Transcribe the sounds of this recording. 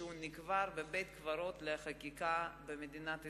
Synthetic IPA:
unikvaɾbebejt̪kvaɾot̪leχakikabemed̪inat̪

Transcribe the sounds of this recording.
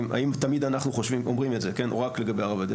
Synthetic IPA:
ma̰imt̪amid̪anaχnuχo̞ʃvimomʁimetzekenoʁakle̞ɡabejaʁavad̪e

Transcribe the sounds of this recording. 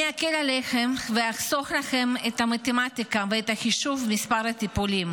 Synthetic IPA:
eakelaleχemveaχso̞χlaχe̞met̪hamat̪emat̪ikaveet̪haχiʃuvmispaʁhat̪ipulim

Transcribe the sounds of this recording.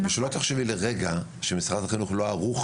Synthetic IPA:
maʃelot̪aχʃevileʁeɡa | ʃemisχad̪aχinuχloaʁuχ

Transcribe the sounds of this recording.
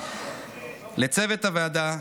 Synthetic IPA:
let͡sevet̪havead̪a

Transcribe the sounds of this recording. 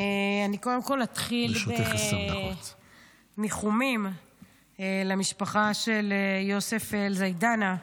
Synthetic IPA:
eaniko̞d̪emko̞lat̪χilbet̪s | niχumim | elamiʃpaχaʃe̞ljo̞sefelzajdana

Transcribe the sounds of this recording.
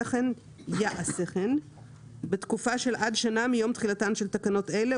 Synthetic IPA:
eχen | jaʔaseχen | betkufaʃe̞lʔadʃanamijo̞mt̪χilatanʃelt̪akano̞tele

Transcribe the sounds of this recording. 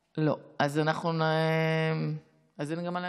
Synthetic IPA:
lo̞azanaχnunem | azenɡamala

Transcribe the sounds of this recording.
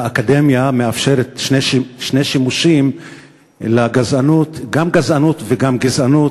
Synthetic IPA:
akade̞mjameafʃeʁet̪ʃneʃʃne̞jʃimuʃim | laɡazanut̪ɡamɡazanut̪veɡamɡizanu

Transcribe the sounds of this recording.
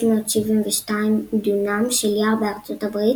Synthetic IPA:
moːtʃivimveʃtaimd̪unamʃeljaʁbeaʁt͡sotabʁi

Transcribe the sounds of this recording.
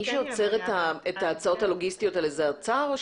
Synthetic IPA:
iʃeot͡se̞ʁetaetaːt͡sao̞thalo̞ɡistijo̞talezet͡saʁoʃ

